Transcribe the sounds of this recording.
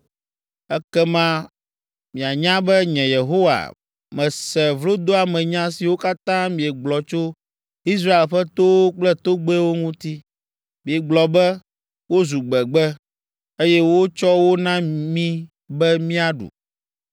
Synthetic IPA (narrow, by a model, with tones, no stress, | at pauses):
ɛ˦kɛ˦mã˦ | mĩ˨a˨ɲã˦bɛ˦ɲɛ̃˨je˨ɦo˦wa̰˨ | mɛ̃˨sɛ˨vlo˦d̪o˦a˨mɛ̃˨ɲã˦si˨wo˦ka˦t̪ã˦mĩ˨ɛ˨ɡ͡blɔ˨t͡ʃo˦ | i˦s̬ɾa˦e˨lɸɛ˦t̪o˦k͡plɛ˦t̪o˦ɡ͡be˦wo˦ŋũ˦t̪i˦ | mĩ˨ɛ˨ɡ͡blɔ˨bɛ˦ | wo˦zu˨ɡ͡bɛ˨ɡ͡bɛ˦ | e˦jɛ˦wo˦t͡ʃɔ˦wo˦nã˦mĩ˦ | bɛ˦mĩ˦a˨ɖṵ˨